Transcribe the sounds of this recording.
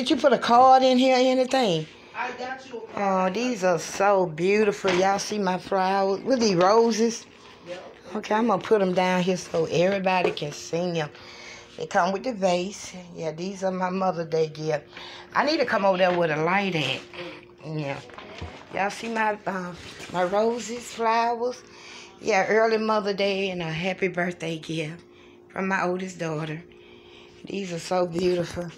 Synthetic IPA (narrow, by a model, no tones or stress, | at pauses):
ɨt͡ʃɨpʰʊɾɨkʰɑɹɾɪ̃nɦiɹɛniθɪ̃ŋ | ʔoðizə˞soʊbjʉɾɨfl̩ˠjæaɪsimaɪfɹaɪzwɪðiɹoʊzɪz̥ | oʊkʰeɪãɪ̃mõpʰʊɾɨ̃mdãʊ̃nɦiɹsoʊʔɛvɹibɑɾikʰɨ̃nsĩŋjɨ̃ | ɨ̰kʰʌ̃mwɨðɨveɪsjæðizə˞maɪmʌðə˞dedjɛʔa̰ɪnid̚tʰɨkʰʌ̃moʊvəðəwəɾɨlaɪɾɨt̚ | jæ | jæ̰aɪsimaɪʌmaɪɹoʊzɪz̥flaʊwəz̥ | jæɜ˞lˠimʌðə˞deɪɨ̃nəɦæpibɜ˞θd̥eɪɡɪv̥ | fɹʌ̰̃mːaɪʔoʊlˠdɨsd̥ɔɾə˞ | ðḭzə˞soʊbjʉɾɨfl̩ˠ